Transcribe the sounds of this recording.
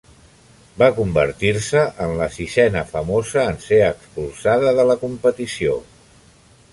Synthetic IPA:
bakumbə̰ɾt̪iɾsəʔənləsisɛnəfəmozəːnseəkspulˠsaðəðələkumpət̪isio

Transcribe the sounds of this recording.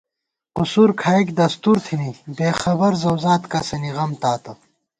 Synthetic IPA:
qusuːɾkʰaːikd̪ɐst̪uːɾt̪ʰinibeːxɐbɐɾzɐwzaːt̪kasɐniʁɐmt̪aːt̪ɐ

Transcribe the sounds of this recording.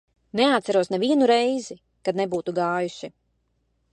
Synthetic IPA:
neat̪sæɾuɔsnɛviɛnuɾɛjzi | kad̪̚nebuːt̪uɡaːjuʃi

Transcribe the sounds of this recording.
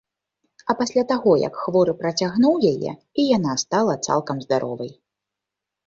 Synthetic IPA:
ɐpasʲlʲat̪aɣɔjɐ̰kxvɔɾɨpɾɐt͡sʲaɣnuwjajɛ̰ | ijanast̪alˠɐt̪sa̰lˠkɐmzd̪aɾʔɔ̰vɐj

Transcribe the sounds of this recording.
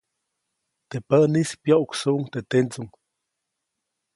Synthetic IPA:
t̪epənispjoʔuksuʔuŋt̪et̪ent͡suŋ

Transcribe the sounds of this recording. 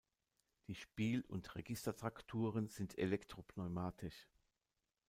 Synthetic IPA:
d̥iːʃpiːlʊ̰ntʁeɡɪstɐtʁ̥aktʰuːʁənz̥ɪntʰḛlɛktʁ̥opʰnɔʏmaːtʰɪʃ

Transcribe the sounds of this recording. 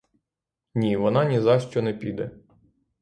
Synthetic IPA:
nʲiʋɔnɑnʲizɑʃt͡ʃɔnɛpʲid̪ɛ

